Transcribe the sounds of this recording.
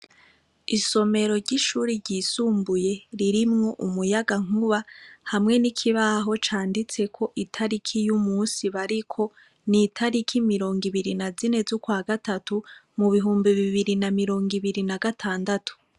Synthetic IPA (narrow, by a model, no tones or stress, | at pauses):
iso̞me̞ɾo̞ɾɟiʃuːɾiɾɟiːsuːmbuje̞ɾiɾimŋo̞ʔumujaɡaŋ̥uβahamŋe̞nikʰiβaɦo̞t͡ʃaːndit͡se̞kʰo̞ʔitʰaɾikʰijumuːnsiβaɾikʰo̞ | nitʰaɾikʰimiɾo̞ːŋɡiβiɾinazine̞zukwaːɡatatumuβiɦuːmbiβiβiɾinamiɾo̞ːŋɡiβiɾinaɡatʰaːndatu̥